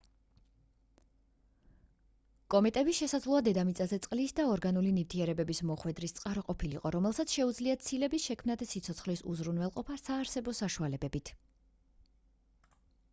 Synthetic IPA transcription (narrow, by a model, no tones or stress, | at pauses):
kʼɔmɛt̪ʼɛbisʃɛsad̪zlˠɔad̪ɛd̪amit̪sʼazɛt̪sʼqʼlisd̪aɔɾɡanulinift̪ʰiɛɾɛbɛbismɔχwɛd̪ɾist̪sʼqʼaɾɔqʼɔpʰilḭqʼɔɾɔmɛlˠsat̪sʰʃɛud̪zliat̪sʰilɛbisʃɛkʰmnad̪sit̪sʰɔt̪sʰχlisṵzɾunwɛlˠqʼɔpʰasaːɾsɛbɔsaʃualɛbɛbit̪ʰ